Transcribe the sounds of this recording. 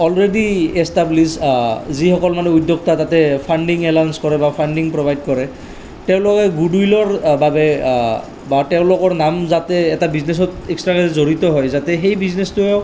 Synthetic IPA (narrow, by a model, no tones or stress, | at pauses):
ɔlɹediestabliszixɔkɔlmanɛudʱjok̚tatatɛpʰanɖiŋɛlanskɔɹɛbapʰanɖiŋpɹobʱajd̚kɔɹɛ | tɛʊ̃lɔkɛɡudujlɔɹbabɛ | batɛʊ̃lʊkɔɹnamzatɛːtabiznes̬ɔtekstɹakazizoɹit̪ɔɦɔjzatɛxejbiznestʊɛ